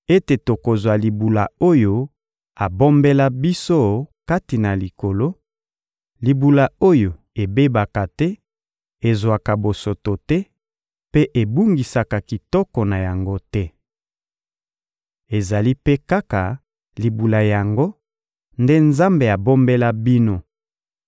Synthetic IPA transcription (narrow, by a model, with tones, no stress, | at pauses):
e˦te˨to˨ko˨zwa˨li˨bu˨la˨o˦jo˦ | a˨bo˦mbe˦la˦bi˦so˦ka˦ti˨na˨li˨ko˨lo˦ | li˨bu˨la˨o˦jo˨ | e˨be˦ba˨ka˨tɛ˦ | e˨zwa˨ka˨bo˨so˨to˨tɛ˦ | pe˦ʔe˨bu˦ŋɡi˨sa˨ka˨ki˨tɔ˦kɔ˨na˨ja˨ŋɡo˦tɛ˦ | e˨za˨li˦pe˦ka˦ka˨ | li˨bu˨la˨ja˨ŋɡo˦ | nde˦nza˦mbe˨a˨bo˦mbe˦la˦bi˦no˦